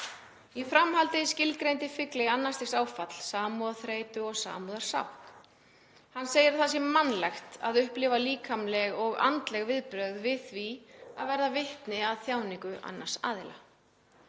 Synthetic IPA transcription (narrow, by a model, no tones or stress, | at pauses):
ifɾamɦalt̪ɪscɪlkɾejnt̪ɪfɪklɪɣanːast̪ɪxsaːwfat̪l̥saːmuðaθɾeːjt̪ʏɔɣsa̰ːmuðaɾ̥sa̰w | hanːseːjɪɾθas̬jɛmanlɛxt̪aðʏhplɪvaliːkʰamlɛɣɔɣa̰nt̪lɛɣvɪðpɾœɣðvɪðθviaðvɛɾðavɪht̪nɪaðθjaːwniŋkʏʔa̰nːḁsa̰ːðɪla